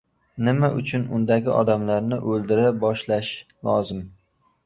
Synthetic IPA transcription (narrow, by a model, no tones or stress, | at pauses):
nɪmaʔʊt͡ʃʰʊnʊ̰nd̪aɡʲɪʔɒ̰d̪amlaɾnɪʔɵlˠd̪ɪɾabɒʃlaʃ | lˠɒzɪm